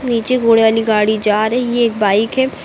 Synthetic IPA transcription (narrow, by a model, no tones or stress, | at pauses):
niːt͡ʃeɡoːɽeʋaːliɡaːɽid͡ʒaːɾɦijeeːk̚baːɪkɦɛ